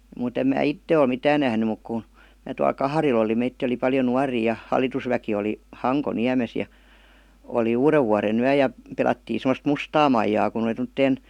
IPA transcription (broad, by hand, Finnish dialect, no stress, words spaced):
muˑt em mæː itːe ol mitæːn næhny muk ku mæː tuɑl kɑhɑril oli meitːiː oli pɑljo nuɑriː jɑ hɑlˑitusʋæki oli hɑŋkoniæmes jɑ oli uːreʋːuɑrenyæ jɑ pelɑtːiː semə̆st mustɑː mɑijɑː kun oli tomə̆tːeːn